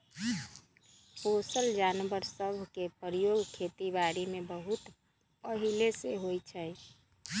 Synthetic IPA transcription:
posəld͡ʒanʋəɾsəbʱkepəɾijoɡkʰet̪ibaɾimebəɦut̪ | pəɦileseɦojt͡ʃʰɛj

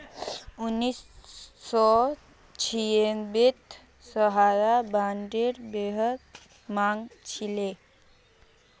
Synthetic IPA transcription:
unisː | ɔ | t͡ɕʰijenbit̪ | səɦaɾabaɳɖiɾbeɦət̪ | maŋɡt͡ɕʰile

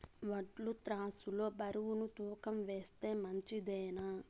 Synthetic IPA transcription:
ʋɐʈlut̪ɾaːsulo̞ːbɐɾuwunut̪uːkɐmʋeːst̪e̞ːmɐɲt͡ʃid̪ɛːna

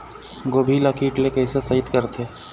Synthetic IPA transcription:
ɡoːbʱilɐkʰiːʈlekəɦsesɐɦɪt̪kəɾt̪ʰeː

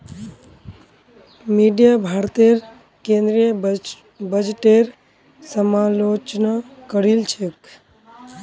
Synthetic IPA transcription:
miɖijabʱaɾt̪eɾ | kẽnd̪ɾiə | bəd͡ʒʈeɾ | səmalot͡ʃnakəɾilt͡ʃʰek

